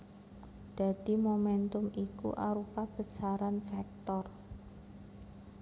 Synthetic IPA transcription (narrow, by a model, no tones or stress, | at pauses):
d̪̥a̤d̪̥i̤momɛnt̪ʊmikṵʔa̰ɾupab̥ə̤saɾanfɛk̚t̪ɔr